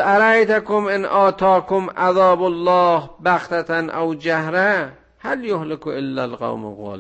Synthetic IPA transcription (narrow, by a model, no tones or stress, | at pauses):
aɾajt̪akomʔɪnʔɑːt̪ʰɑːkomʔaðɑːbolːɑːhbaxt̪ʰat̪ʰanʔowd͡ʒahɾa | haljohlɪkoʔelːalqa̰wm̰ɣɑ̰ːl